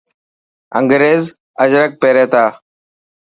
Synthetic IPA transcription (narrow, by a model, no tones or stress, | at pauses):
ə̰ŋɡɾeːz | əd͡ʒɾək̚peːɾeːt̪aː